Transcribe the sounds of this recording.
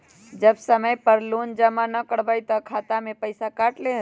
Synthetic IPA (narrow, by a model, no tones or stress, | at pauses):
d͡ʒəbsəməjpəɾloːnd͡ʒəmanəkəɽbajt̪ɔkʰaːt̪amẽpəɪsakaːʈlẽ